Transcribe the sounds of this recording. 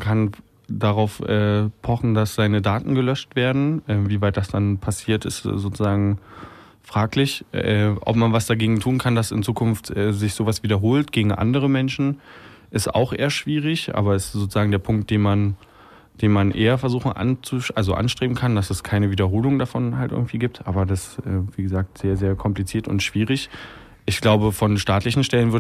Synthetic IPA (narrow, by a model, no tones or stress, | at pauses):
kʰan | daʁaʊfʔɛːpʰɔχn̩dasz̥aɪnədaːtn̩ɡəlœʃtv̥eːɐdn̩ʔɛːviːvaɪt̚d̥asd̥anpʰasiːɐtɪstzoːt͡suzaːɡŋ̩ | fʁ̥aːklɪçɛːʔɔ̰pmanvasd̥aɡeːɡŋ̩tʰuːnkʰandasɪ̰nt͡suːkʰʊnftʔɛːzɪçz̥oːvasv̥iːdɐɦoːltɡ̥eːɡŋ̩ʔa̰ndəʁ̞əmɛnʃn̩ʔɪsta̰ʊxʔḛːɐʃv̥iːʁ̞ɪçʔa̰ːbɐɛsz̥oːt͡suzaːɡŋ̩deːɐpʰʊŋk̚t̚d̥eːnman | d̥eːnmanʔeːɐfɛɐzuːxŋ̩ʔa̰nt͡suʔalzoʔa̰nʃtʁ̥eːbm̩kʰandasɛskʰaɪnəviːdɐɦoːlʊŋdafɔnhaltʔɪ̰ɡŋ̩tv̥iːɡiːp̚tʔaːbɐdasʔɛːviːɡəzaːk̚tz̥eːɐzeːɐkʰɔmplit͡siːɐtʊ̰ntʃv̥iːʁɪç | ʔɪçɡ̥laʊbəfɔnʃtaːtlɪçn̩ʃtɛlənvɪɐ